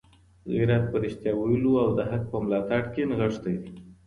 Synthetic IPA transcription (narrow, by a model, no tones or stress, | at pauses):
ɣḭɾat̪̚pəɾɪʃt̪jɑwajəluawd̪əɦak̚pəmlɑt̪aɽkenɣəʂd̪aj̪i